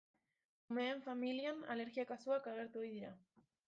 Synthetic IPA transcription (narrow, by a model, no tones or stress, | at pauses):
ume̞ːɱfamiliana̰le̞ɾɣiakasuakaɣ̞e̞ɾt̪uojðiɾa